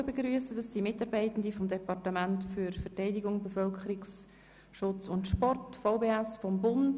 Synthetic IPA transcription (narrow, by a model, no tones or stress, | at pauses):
bəɡɾyəsəd̥ɑsːimɪtɑːɾbɛɪtən̩difɔmdɛpɑrtəmæntfyɾfɛtɛɪdiɡʊŋbəfœlkχəɾiks | ʃʊt͡sʊntʃpɔrtfɔʊbeːæsfɔmbʊnd